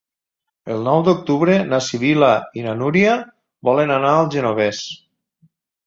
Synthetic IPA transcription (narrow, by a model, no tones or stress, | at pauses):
əlˠnɔwd̪uk̚t̪uβɾenasiβilainanuɾia | bɔlənanaːlˠʒənoβes